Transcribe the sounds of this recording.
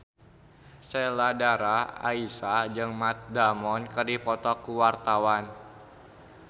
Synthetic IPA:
seladaɾaa̰isad͡ʒɨŋmat̪̚damɔnkərdipɔt̪ɔkuwart̪awan

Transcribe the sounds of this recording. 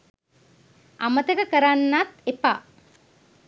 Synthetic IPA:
ʔamət̪əkəkəɾanːat̪epa

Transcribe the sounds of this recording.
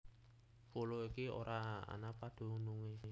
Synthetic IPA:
puloikio̰ɾʔaa̰napad̪̥o̤nuŋe

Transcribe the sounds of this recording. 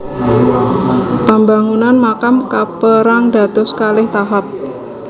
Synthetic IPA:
pambaŋunanmakamkapəɾaŋd̥a̤t̪ʊskalɪht̪aɦap̚

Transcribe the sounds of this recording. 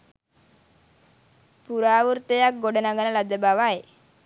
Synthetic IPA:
puɾaːʋuɾt̪əjak̚ɡoɖənaɡənəlad̪əbaʋaj

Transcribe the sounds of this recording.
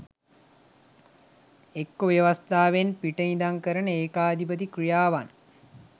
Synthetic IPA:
ekːoʋjeʋast̪aːʋenpiʈəid̪aŋkəɾənəeːkaːd̪ipət̪ikrijaːʋan

